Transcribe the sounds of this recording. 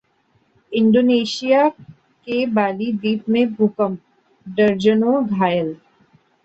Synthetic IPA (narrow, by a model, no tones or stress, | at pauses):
ɪ̃ɳɖoːneːʃija | kebaːlid̪iːpmẽbʱʊkəm | ɖɐɾd͡ʒənõɡʱaːjəl